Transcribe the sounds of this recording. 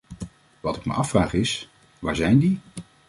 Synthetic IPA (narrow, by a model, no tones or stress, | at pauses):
ʋɑtɪkmə̰ʔɑfraːχɪs | ʋaːɹzɛjndi